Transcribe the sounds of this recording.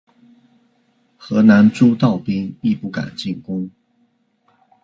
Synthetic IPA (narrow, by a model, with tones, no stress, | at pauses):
xɤ˧˥na˧˦nʈ͡ʂu˥˦t̪ɑ˥˩ʊpi˥ŋpi˥˧pu˥˩ka̰˨˩nt͡ɕi˥˩ŋkʊ˥ŋ